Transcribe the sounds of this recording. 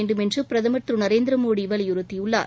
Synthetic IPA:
ɳɖɯmɛndrɯpɪɾɐðɐmɐʈ̪ɾɯnɐɾeːnd̪ɾɐmoːɽiːʋɐlɐjʊɾɯt̪ːijʊɭːa̰ː

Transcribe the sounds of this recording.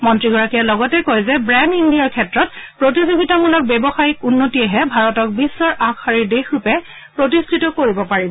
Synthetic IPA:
mɔntɹiɡʱɔɹakialɔɡɔtɛkojzɛbɹɛndindijaɹkʰɛtɹɔtpɹotisibʱitɔmulɔk̚bɛbɔxajik̚unːotiɛɦɛbʱaɹɔtɔk̚bisːɔɹʔakʰaɹiɹdexɹupɛ | pɹotistʰitɔkoɹibɔpaɹibɔ

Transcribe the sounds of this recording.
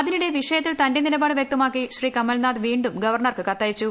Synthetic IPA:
ɐðiniɽe̞ʋiʂɐjɐt̪̬ːilt̪ɐnde̞nilɐbaːɽɨʋjek̚t̪ɐmaːkːiɕriːkɐmːɐlnaːd̪ʋiːɳɖumɡɐʋɐrɳɐrkɨkɐt̪ːaːjit͡ɕːu

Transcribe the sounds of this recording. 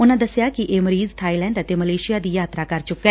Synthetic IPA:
ʊnãːd̪əsɪjaːkɪʔeːməɾiːzt̪ʰaːilɛ̃ːɳɖət̪eːməleːʃɪjaːd̪iːjaːt̪ɾaːkəɾt͡ʃʊkːɛː

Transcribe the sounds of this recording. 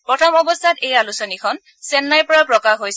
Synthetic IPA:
pɹɔtʰɔmɔbɔstʰatejalusɔnikʰɔn | sɛnːajpɔɹapɹɔkaxɦojs

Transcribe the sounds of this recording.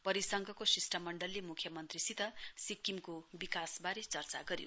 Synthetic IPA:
pʌɾisʌŋɡʱʌkosisʈʌmʌɳɖʌlːemukʰjʌmʌnt̪risit̪ʌsikːimkobikasbaɾet͡sʌrt͡sa̰ɡʌɾjo̰

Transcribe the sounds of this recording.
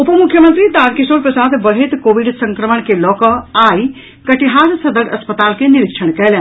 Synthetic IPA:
ʊpəmʊkʰːjəmə̃nt̪ɾit̪aːɾkisoːɾpɾəsaːd̪bɐlɦet̪koːʋɪɖsɐ̃ŋkɾəməɳkelɔːkəaːi | kɐʈiɦaːɾsɐd̪əɾɐspət̪aːlkenɪɾɪkʃʰəɽ̃kɛɦlẽ

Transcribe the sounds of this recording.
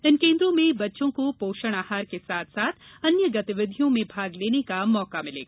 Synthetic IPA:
ɪnkẽːnd̪ɾõmẽbɐtːʃõkopoːʃəɽ̃aːhaːɾkesaːt̪ʰsaːt̪ʰɐnjəɡɐt̪ɪʋɪd̪ʱijõmẽbʱaːɡleːnekamɔːkamɪlḛː

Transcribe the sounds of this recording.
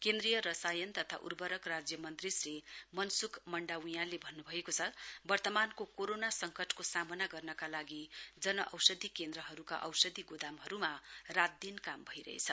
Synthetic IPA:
kend̪rijʌɾʌsajʌnt̪ʌt̪ʰa̰ʔṵrbʌɾʌkrad͡zjʌmʌnt̪risrimʌnsukʰmʌɳɖawjãlebʱʌnːubʱʌekot͡sʰʌbʌrt̪ʌmankokoɾonasʌŋkʌʈʰkosamʌnaɡʌrnʌkalaɡid͡zʌnʌʔʌwsʌd̪ʱikend̪ɾʌɦʌɾuka̰ʔʌwsʌd̪ʱiɡod̪amɦʌɾumarad̪ːinkambʱʌiɾʌ̰ɦḛt͡sʰʌ

